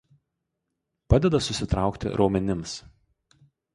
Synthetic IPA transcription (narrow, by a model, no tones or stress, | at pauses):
pɑd̪ʲɛd̪ɐsʊsʲɪt̪ɾɑˑʊkt̪ʲɪ̰ɾʔoːmʲɛnʲɪms